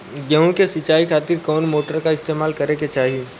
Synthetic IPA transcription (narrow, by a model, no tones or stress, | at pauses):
ɡəɦũkesɪt͡ʃaːikʰaːt̪ɪɾkɔːnmoːʈəɾkaɪst̪eːmaːlkɐɾeket͡ʃaːɦi